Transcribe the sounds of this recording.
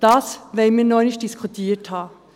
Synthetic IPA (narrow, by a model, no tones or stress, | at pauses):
d̥ɑsvɛɪmiːnɔʏnɪçt̚d̥ɪskʰutʰiːthɑː